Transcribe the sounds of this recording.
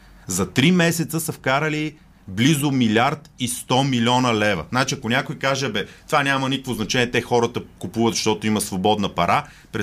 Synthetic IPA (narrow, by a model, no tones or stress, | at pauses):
zɐt̪ɾimɛsɛt̪səsɐfkaɾəli | blizʊmilʲaɾt̪ist̪ɔmilʲɔnəlɛvə̰nat͡ʃiɐkonʲakʊjkaʒɛbɛt̪ovanʲamənʲikəkvoznɐt͡ʃɛnʲiɛt̪ɛxɔɾət̪əkupuvət̪zʃt̪ɔt̪oimɐsvobɔd̪nəpɐɾa | pɾɛ